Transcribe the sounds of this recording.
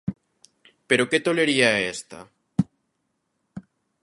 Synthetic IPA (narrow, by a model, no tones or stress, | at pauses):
pe̞ɾo̞ke̞t̪o̞le̞ɾiaest̪a̰